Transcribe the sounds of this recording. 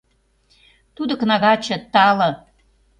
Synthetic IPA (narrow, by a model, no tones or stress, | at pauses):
t̪ud̪ə̆knɑɣɑt͡ɕə̆t̪ɑlɤ̆